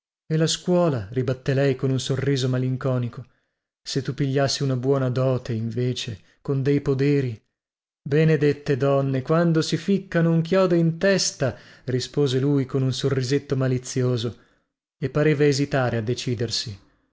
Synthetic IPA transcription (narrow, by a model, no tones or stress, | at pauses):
elaskwɔːlaɾibat̪ːelɛjkonunsorːiːzomaliŋkɔːniko | set̪ːupiʎːasːiunabwɔːnad̪ɔːt̪ʰeiɱveːt͡ʃe | kond̪ejpod̪eːɾi | bened̪et̪ːed̪ɔnːekwand̪osifikːanouŋk̬jɔːd̪oint̪ɛst̪arispoːzelujkonunsorːizet̪ːomalit̪sːjoːzo | epːaɾeːvaezit̪aːɾead̪ːet͡ʃiːd̪ersi